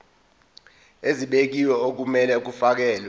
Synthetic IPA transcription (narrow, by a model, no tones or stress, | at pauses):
eziɓek̬iwɛok̬umɛlɛk̬ufak̬ɛːlɛ